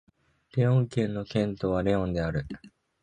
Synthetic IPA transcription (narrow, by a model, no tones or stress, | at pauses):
ɾe̞õ̞ŋkẽ̞nːo̞kẽ̞nt̪oːβaɾe̞õ̞nd̪e̞aɾɯ̟